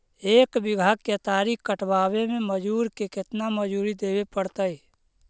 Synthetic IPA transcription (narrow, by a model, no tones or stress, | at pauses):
eːkbɪɡʱaɡket̪aːɾikkəʈʰbaːbemẽməd͡ʒuːɾkekɪt̪naməd͡ʒuːɾid̪eːbepəɽt̪əj